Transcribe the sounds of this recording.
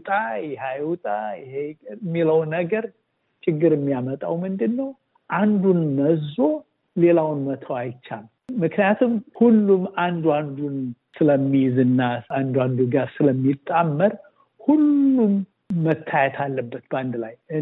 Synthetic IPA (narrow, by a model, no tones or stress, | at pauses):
t̪ʼajɛɦajwut̪ʼajɪhemːiləwnəɡəɾ | t͡ʃʰʼɪɡːɨɾɪmːijamət̪ʼawmɨnd̪ɨnːəw | ʔand̪unnəzo̞ | le̞lawnmət̪ʰəwajɪt͡ʃːal | mɨknijat̪ʰumhulːumand̪uand̪un | sɨləmːijzɨnːaand̪uand̪uɡaɾsɨləmːit̪ʼːamːəɾ | hulːumː | ət̪ʰːajɛt̪ʰalːəbːət̪bəand̪laj